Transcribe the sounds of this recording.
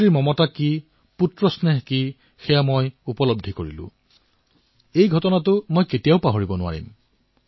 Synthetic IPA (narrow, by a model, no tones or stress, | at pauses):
ɹiɹmɔmɔtaki | putɹɔsneɦki | xɛjamojupɔlɔb̚dʱːikoɹilʊ̰̃ | ejɡʱɔtɔnatʊmojketijaʊpaɦoɹibɔnʊwa̰ɹḭm